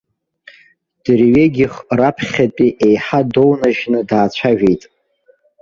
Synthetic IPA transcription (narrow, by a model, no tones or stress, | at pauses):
d̥rɥeɡʲiχrapʰχʲatʼiʔejħadownaʒnɨdaːt͡ɕʷʰaʒᶣe̞jtʼ